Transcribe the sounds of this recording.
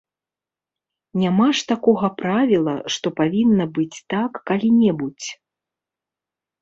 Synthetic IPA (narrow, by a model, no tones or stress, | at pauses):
nʲamaʂt̪akɔɣɐpɾavʲilˠɐ̰ʂt̪ɔpavʲinːɐbɨt͡sʲt̪akːalʲinʲɛbut͡sʲ